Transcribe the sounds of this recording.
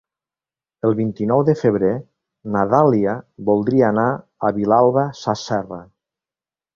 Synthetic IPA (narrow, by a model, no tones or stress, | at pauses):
əlˠβint̪inɔwðəfəβɾe | naðaliaβulˠd̪ɾiaːnaː | βilalˠβasasɛra